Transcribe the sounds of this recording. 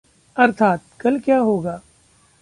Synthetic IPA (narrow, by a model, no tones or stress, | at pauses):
ɐɾt̪ʰaːt̪̚kɐlkjaːɦoːɡaː